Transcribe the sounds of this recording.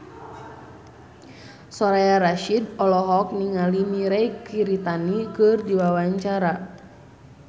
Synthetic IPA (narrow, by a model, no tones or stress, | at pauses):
sɔɾaaɾaʃidɔlɔɦɔk̚niŋalimiɾɛjkiɾit̪anikɨrdiwawaɲt͡ʃaɾa